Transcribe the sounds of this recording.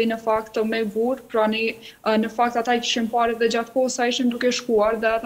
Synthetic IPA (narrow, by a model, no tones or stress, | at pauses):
inəfakt̪mɛbuɾpɾɔni | nəfak̚t̪at̪aki̥ʃimpaɾɛðɛd͡ʑat̪kɔsajiʃind̪ukɛʃkuaɾðɛat̪